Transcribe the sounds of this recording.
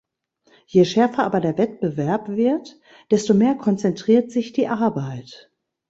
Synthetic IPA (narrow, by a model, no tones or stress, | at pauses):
jeʃɛɐfɐʔaːbɐdeːɐvɛt̚b̥əvɛɐpv̥ɪɐt | d̥ɛstomeːɐkʰɔnt͡sɛntʁ̥iːɐtz̥ɪçd̥iːʔaɐbaɪt